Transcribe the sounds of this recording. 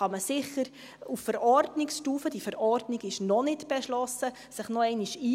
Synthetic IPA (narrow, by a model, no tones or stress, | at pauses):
ɑməsɪχəɾ | uffəɾɔrdnɪksʃtuːfəd̥ifəɾɔɾdnɪɡɪʃnɔnɪtb̥ɛʃlɔsə | sɪχnɔɛɪnɪʃiː